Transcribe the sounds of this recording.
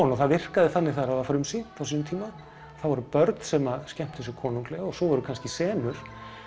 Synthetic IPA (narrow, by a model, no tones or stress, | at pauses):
nɔθaðvɪr̥kaðɪθatnːɪɾθaaɾawðafɾʏmsinθawsiːnʏmt̪ʰiːma | θawvɔɾʏpœɾt̪n̥sɛmascɛm̥t̪θɛs̬ʏkʰɔːnuŋklɛɣaɔsɔvɔɾʏkʰanscɪsɛːmʏɾ̥